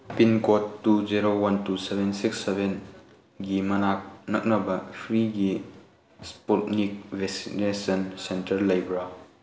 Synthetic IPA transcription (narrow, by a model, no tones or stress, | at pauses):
pinkotːuziɾowɐntusebʱensiksːebʱen | ɡimɐnak̚nɐk̚nɐbɐpʰɾiɡi | spotnik̚bʱesinesɐnsentɐɾlɐjbɾa